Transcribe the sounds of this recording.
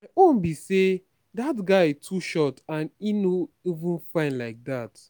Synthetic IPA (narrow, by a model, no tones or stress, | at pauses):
maɪõnbise | dat̬ɡaɪɪtʰuʃɔtãninoivũnfãɪ̃ndlaɪk̚dat